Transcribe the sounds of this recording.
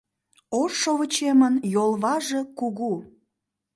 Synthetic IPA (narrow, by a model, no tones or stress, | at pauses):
oʃoβət͡ɕemənjolˠβɑʒe̽kuɣu